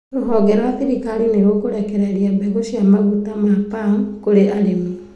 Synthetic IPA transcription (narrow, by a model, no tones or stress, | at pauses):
ɾoɦɔɡɛɾwaθiɾikaɾineɾokoɾɛkɛɾɛɾiabɛɣoʃiamaɣutamapaŋkoɾeʔaɾeme